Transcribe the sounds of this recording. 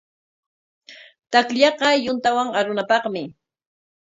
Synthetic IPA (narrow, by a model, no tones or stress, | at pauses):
t̪akʎɑqɑjʊnt̪awaŋaɾʊnapɑχmɪ